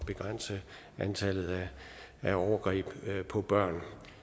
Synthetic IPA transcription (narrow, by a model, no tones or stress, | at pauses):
b̥e̝ɡ̥ʁan̰sə | ʔænt͡sʰælð̩ˠæ | æɒʊɐɡ̥ʁḭːb̥pʰɒ̽b̥ɶɐ̰n